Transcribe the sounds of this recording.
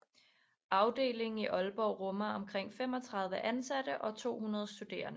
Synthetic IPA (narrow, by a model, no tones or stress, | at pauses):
ɑ̈ʊd̥e̝̰ːle̝ŋn̩iʔɒ̽lb̥ɒʊʁɔ̽mɐɒ̽mkʰʁeŋ̰fem̰ɒ̽t͡sʰʁɑ̈ð̞ˠʋəʔænsæd̥əʔɒ̽t͡sʰo̝̰ːhunɐð̞̩ˠsd̥ud̥e̝̰ːɐnə